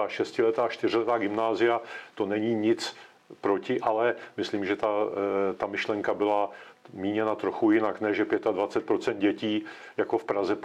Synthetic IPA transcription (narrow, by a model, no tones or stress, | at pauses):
aːʃɛscɪlɛt̪aːt͡ʃt̪ɪrɪlɛt̪aːɡɪmnaːzɪjat̪o̞nɛɲiːɲɪt͡s | pɾo̞cɪʔalɛmɪsliːmʒɛt̪at̪amɪʃlɛŋkabɪlamiːɲɛnat̪ɾoxujɪnaknɛʒɛpjɛt̪advat͡sɛt̪̚pɾo̞t͡sɛnt̪̚ɟɛciː | jako̞fpɾazɛ